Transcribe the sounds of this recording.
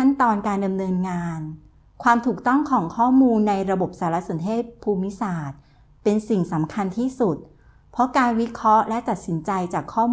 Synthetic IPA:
a˥˩nt̪ɔː˧nkaː˧nda˧mnɤː˧nŋaː˧n | kʰwaː˧mt̪ʰuː˨˩k̚t̪ɔ˥˩ŋkʰɔː˩˦ŋkʰɔː˥˩muː˧nːa˧jɾa˧bo˨˩p̚saː˩˦ɾa˦˥so˨˩˦nt̪ʰeː˥˩t̪̚pʰːuː˧mːi˦˥saː˨˩t̪̚ | pe˧nsi˨˩ŋsa˩˦mkʰa˧nt̪ʰiː˥˩su˨˩t̪̚ | pʰɾɔ˦˥kaː˧nwi˦˥kʰɾɔ˦˥lɛ˦˥t̪a˨˩t̪̚si˩˦nt͡ɕa˧jt͡ɕaː˨˩kʰːɔː˥˩

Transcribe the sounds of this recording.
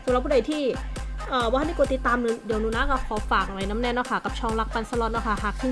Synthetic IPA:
sa˨˦ɾa˨˩p̚ʰːu˧˥˩da˨˩jt̪ʰiː˥˩ | ʔəː˨˩wa˧˥˨ni˧˥˩ku˧t̪i˨˩t̪ːaː˧m˨˩di˨˩wnuː˧˦˨na˦˥kɔː˥˩kʰɔː˨˦faː˨˩k̚a˨˩ɾa˧jna˦˥mnɛ˧˨nːɔ˦˧˩kʰa˥˩ka˨˩p̚t͡ɕʰɔː˧ŋla˦˥k̚pa˧nsa˧lɔ˧˥t̪̚nɔ˦˥˩kʰa˥˩ɦa˧˩k̚t̪ʰi˧˩

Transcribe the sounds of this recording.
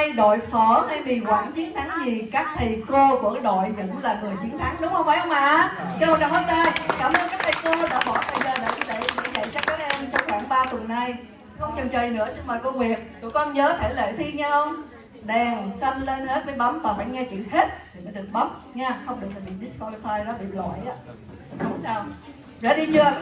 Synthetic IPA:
jɗo̰˧˨jfɔ˧˩kaː˧˩jɓi˨˩kwaː˧˩nt͡ɕi˨˦ənt̪ʰa˨˦ŋzi˨˩kaː˦˥k̚t̪ʰə˨˩jko˧ku˧˩ə˨˦ɗo̰˧˨jɲə̰˧˥nlaː˨˩ŋɨ˨˩əjt͡ɕi˨˦ənt̪ʰa˨˦ŋɗʊ˨˦ŋ͡mhə˧wŋ͡mfaː˧˩˦jhə˧ŋ͡mʔaː˧˩t͡ɕɔ˧mɔ˨˩kaː˨˩həː˨˦˥t̚taː˧jkaː˧˩mʔəː˧nkaː˦˥k̚t̪ʰko˧ɗa̰ː˧˥ɓɔ˧˩t̪ʰə˨˩jzəː˨˩ɗa̰ː˨˧˩jɲɨ˧˦ɗə̰˧˨ɲ˧zə̰˧˨jsɛ˦˥k̚ɔː˨˦˥ʔɛ˧mt͡ɕɔ˧ŋ͡mxwaː˧˩ŋɓaː˧t̪wə˨˩nːa˧˩j | xə˧wŋ͡mt͡ɕɨ˨˩ŋt͡ɕəː˨˩jnɨ̰˧˥əɲɨ˧ŋmaː˨˩ko˧ŋwi˨˩ək̚t̪ṵ˧˩kɔ˧nɲəː˨˦t̪ʰe˧˩lḛ˧˨t̪ʰi˧ɲa˧hə˧wŋ͡m | ɗɛ˨˩ŋsə˧nle˧nhe˦˥t̚vəː˨˦jɓa˨˦wmvaː˨˩faː˧˩jŋɛ˧kḭ˧˨ənhe˦˥t̚t̪ʰi˨˩məː˨˦jɗɨ˨˩ək̚ɓa˨˦wŋ͡m̚ɲɛ˧xə˧wŋ͡mɗɨ˨˩ək̚tʰːhḭ˨˩nɗi˦˥skwɔ˧li˧faː˧jɗɔ˨˦ɓḭ˧˨lɔ̰˧˨jʔaː˨˦˨ | ʊ˨˦ŋ͡msaː˧w | zə̰ː˧˩ɗi˧t͡ɕɨ˧ə

